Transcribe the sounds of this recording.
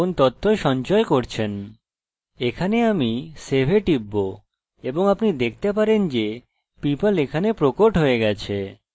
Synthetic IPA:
ont̪ɔt̪ʰːoeʃɔnt͡ɕɔekoɾt͡ɕʰen | ekʰaneamisebʱeʈibːo | eboŋapnid̪ek̚ʰt̪epaɾend͡ʑe | pipolekʰanepɾokoʈɦoeɡɛt͡ɕʰe

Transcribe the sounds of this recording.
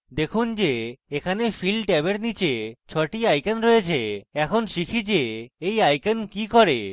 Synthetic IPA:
d̪ekʰund͡ʑeekʰanefilʈɛβeɾnit͡ɕet͡ɕʰɔʈiajkanɾojet͡ɕʰeɛkʰonʃikʰid͡ʑeejajkankikɔɾe

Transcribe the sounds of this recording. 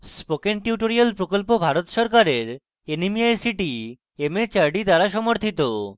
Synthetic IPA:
spokenʈiuʈoɾialpɾokolpobʱaɾot̪ʃɔɾkaɾeɾ | enimiajsiʈi | emet͡ɕaɾɖid̪aɾaʃɔmoɾt̪ʰit̪o

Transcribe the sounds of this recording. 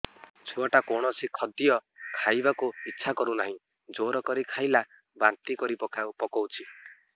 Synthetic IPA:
t͡ʃʰuaʈakɔɽ̃ɔsikʰɔd̪iɔkʰajbakuitːʃʰakɔɾunaɦĩ | d͡ʒoɾɔkɔɾikʰajla | bant̪ikɔɾipɔkawpɔkɔwt͡ʃʰi

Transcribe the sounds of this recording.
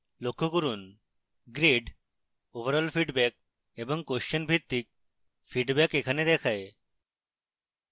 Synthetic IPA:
lokʰːokuɾun | ɡɾeɖ | oʋəɾəlfʰiɖbɛk̚ | ebɔŋkoʃənbʱit̪ːik̚ | fiɖbɛkekʰaned̪ɛkʰae

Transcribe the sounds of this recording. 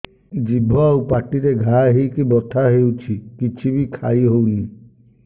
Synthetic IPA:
d͡ʒibʱɔwpaʈiɾeɡʱaɦikibɔt̪ʰaɦewt͡ʃʰikit͡ʃʰibikʰaiɦowli

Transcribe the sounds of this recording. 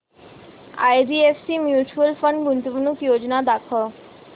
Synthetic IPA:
a̰jɖiefsimjuːt͡ʃuəlfəɳɖɡunt̪ubnukjod͡ʒnad̪akʰɔ

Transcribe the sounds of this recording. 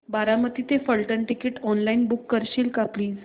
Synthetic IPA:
baɾamət̪it̪efəlʈəɳʈikeʈɔnlainbukːəɾɕiːlkapliː

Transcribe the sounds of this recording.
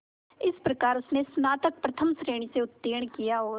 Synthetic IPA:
ɪspɾɐkaːɾʊsnesnaːt̪ək̚pɾɐt̪ʰəmsɾeːɽ̃iseʊt̪ːeːɽ̃kijaɦoː

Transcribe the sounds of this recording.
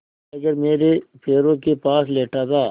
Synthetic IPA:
ɐɡɐɾmeːɾepʰeːɾõkepaːsleːʈad̪aː

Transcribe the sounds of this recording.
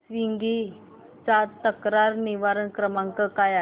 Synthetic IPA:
sʋiŋɡi | t͡sat̪əkɾaɾniʋaɾəɳkɾəmãŋkəkaja

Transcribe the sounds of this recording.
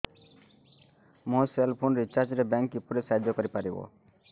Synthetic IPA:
mõselpʰonɾit͡ʃaɾd͡ʒɾebɛŋkipuɾesaɦid̪ʱjɔkɔɾipaɾibo̰

